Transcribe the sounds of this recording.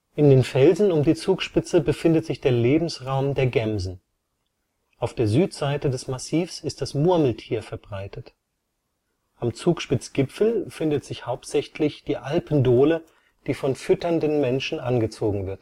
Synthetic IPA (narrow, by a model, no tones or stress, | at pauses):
ʔɪndeːnfɛlzn̩ʊmdiːt͡suːkʃpɪt͡səbəfɪndətz̥ɪçd̥eːɐleːbm̩sʁaʊmdeːɐɡɛmzn̩ | ʔaʊfd̥eːɐzyːtz̥aɪtədɛsmasiːfsɪst̚d̥asmʊɐml̩tʰiːɐfɛɐbʁaɪtət | ʔamt͡suːkʃpɪt͡sɡ̥ɪpfl̩fɪndətz̥ɪçhaʊptz̥ɛçlɪçd̥iːʔalpn̩doːlə | d̥iːfɔnfʏtɐndənmɛnʃn̩ʔanɡət͡soːɡŋ̩vɪɐt